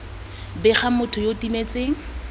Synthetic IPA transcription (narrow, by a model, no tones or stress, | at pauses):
bɪχamʊtʰʊjotimet͡sɪŋ̩